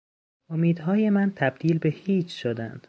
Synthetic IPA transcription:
omiːd̪ɦɒːjemænt̪ʰæb̚d̪iːlbe̞hiːt͡ʃʰʃod̪ænd̪̥

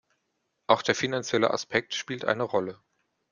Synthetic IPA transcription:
ʔaʊxd̥eːɐfinant͡sjɛlə̰ʔa̰spʰɛk̚tʃpiːltʔa̰ɪnəʁɔlə

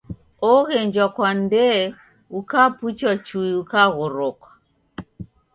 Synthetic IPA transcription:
ɔɣɛɲd͡ʒwakwandɛ | ukaput͡ʃwat͡ʃuiukaɣɔɾɔkwḁ

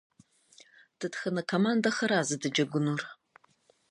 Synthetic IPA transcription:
d̥ɨtxɐnɐkʷʰomandɐxɐɾaːzɨdɨd͡ʒɐɡʷʊnur

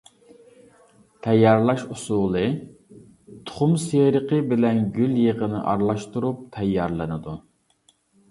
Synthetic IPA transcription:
t̪ʰɛjːɑɾlˠɑʃusulˠɨ | t̪ʰʊ̥χʊmseɾəqəbɪlɛnɡʲyljəʁənɨ̰ʔɑɾlˠɑʃt̪uɾup̚t̪ʰɛjːɑɾlˠɨnɨd̪u

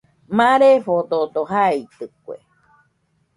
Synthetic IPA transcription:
mãɾefot̪ot̪oɦait̪ɨkʷḛ

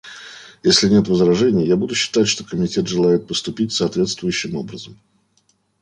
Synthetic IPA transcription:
jesʲlʲɪnʲe̞t̪vəzɾɐʐɛnʲɪjjabud̪ʊɕːɪ̥t̪atʲʂt̪o̞kəmʲɪtʲe̞t̪ʐɨlˠajɪt̪̚pəst̪ʊpʲitʲsəːt̪vʲe̞t̪st̪vʊjʉɕːɪmo̞bɾəzəm

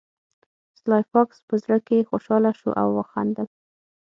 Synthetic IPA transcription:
slɑjfɑkspəzɾakexoʃɑlaʃṵʔa̰wːəxa̰nd̪əl

